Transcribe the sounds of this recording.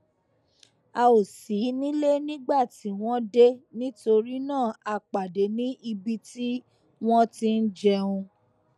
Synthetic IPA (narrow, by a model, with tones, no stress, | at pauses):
a˧o˨si˨˦nĩ˦le˦nĩ˦ɡ͡ba˦˨ti˨˦w̃ɔ̃˦de˦nĩ˦to˧ɾi˦nãː˦˨a˧k͡pa˨de˨˦nĩ˦ʔi˧bi˧ti˦ | w̃ɔ̃˦ti˧n̩˦d͡ʒɛ˧ũ˧